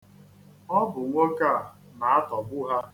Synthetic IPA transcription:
ɔ˦bʊ˨ŋʷo˦ka˦˨ | na˨a˦tɔ˨bʊ˦ɦa˦

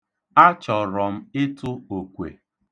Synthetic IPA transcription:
a˦t͡ʃɔ˨ɾɔ˨m̩˦ɪ˦tʊ˦o˨kʷḛ˨

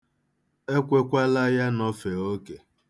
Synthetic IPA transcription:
e˦kʷe˦kʷa˦la˦ja˦nɔ˦fe˨o˦ke˨

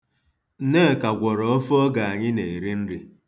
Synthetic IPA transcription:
ne˦˨ka˨ɡʷɔ˨ɾɔ˨ɔ˦fɔ˦ɡa˨a˨ɲɪ˦ne˨i˨ɾi˦n̩˦ɾi˦

